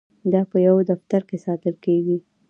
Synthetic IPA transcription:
d̪ɑpəjawd̪aft̪aɾkesɑt̪əlkeɡi

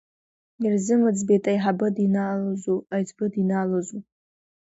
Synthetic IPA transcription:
irzɨmɨd͡zbetʼajħabɨdinalozuajtʰbɨdinaːlozu

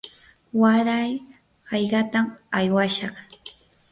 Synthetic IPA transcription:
waɾaj | hɑjɢɑt̪amajwaʃɑχ

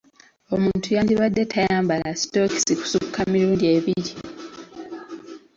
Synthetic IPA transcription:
o̞muːntujaːndiβadːe̞tʰajaːmbalasto̞ki̥siku̥sukʰːamiɾuːndie̞ːβiɾi

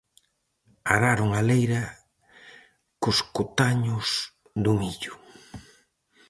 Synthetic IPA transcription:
aɾaɾʊŋalejɾɐ | kʊskot̪aɲʊs | ðʊmiʎʊ

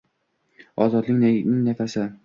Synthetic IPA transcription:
ɒzɒd̪lɪk̪ʲnɪŋnafasɪ

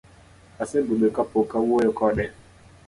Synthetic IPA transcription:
asebuɓekapokawoɛkɔɗɛ

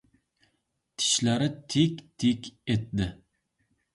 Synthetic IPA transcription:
t̪ʰɪ̥ʃlæɾɪt̪ʰekʲt̪ʰekʲet̪d̪ɪ

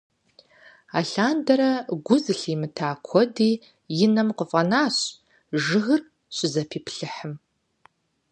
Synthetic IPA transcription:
a̰ːɬaːndɐɾɐɡʷʊzɨɬiːmɨtʰaːkʷʰɔdiː | jɪnɐmqəfʼɐnaːɕ | ʒɨɣɨr | ɕʷʼɪzɐpʰiːpʰɬɨħəm

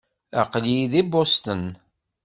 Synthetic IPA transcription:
aqliðibost̪ən

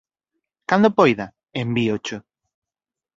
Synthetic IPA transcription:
kand̪opojða | embiot͡ʃo

